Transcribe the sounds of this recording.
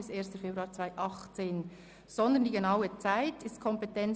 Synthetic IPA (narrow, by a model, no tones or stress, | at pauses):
ɪseːstəfebɾuɑːt͡svaɪʔɑχt͡seːn | z̥ɔnd̪əndiːɡenɑʊət͡saɪtɪstkʰɔmpetɛn